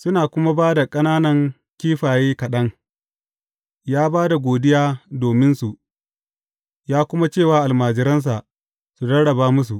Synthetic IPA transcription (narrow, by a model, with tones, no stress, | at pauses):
sʊ˦naː˨kʷʊ˦ma˦baː˦da˨kʼɐ˦naː˦nɐ˨ŋ | kʲiː˦ɸaː˨jeː˦kɐ˨ɗɐ˦ŋ | jaː˦baː˦da˨ɡʷoː˨dɪ˦jaː˦doː˨mɪ˦nsu˨ | jaː˦kʷʊ˦ma˦t͡ʃeː˦˨waː˦ʔa˨lmaː˨d͡ʒɪ˨ɾɐ˦ns̬a˨ʔ | su˨dɐ˦ɽɐ˨baː˦mʊ˦s̬u˨ʔ